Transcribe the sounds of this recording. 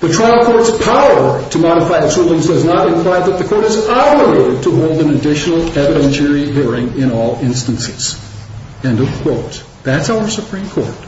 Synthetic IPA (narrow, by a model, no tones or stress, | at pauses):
ðɨtʰɹ̥aɪl̩ˠkʰɔɹtspʰaʊə˞ɾɨmɑɾəfaɪɨtsɹulˠɪ̃ŋzdʌznəɾɨ̃nkʰl̥aɪðɨt̪̚ðɨkʰɔɹɾɨzɑbə˞eɪɾɨd̚tʰəɦoʊlˠdɨ̃nɨdɪʃn̩l̩ˠɛvɨɾɛ̃nʃɛ˞iɦiɹɪ̃ŋɪ̃ɾ̃ɔlˠɪ̃nstɨ̃nsɨz̥ | ɨ̃nʌvkʰw̥oʊt̪̚ | ðætsaʊə˞sɨpʰɹ̥ĩmkʰɔ̰ɹt̚